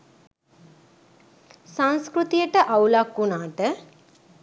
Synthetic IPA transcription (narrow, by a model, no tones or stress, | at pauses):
saŋskɾut̪ijəʈəʔawlakːunaːt̪ə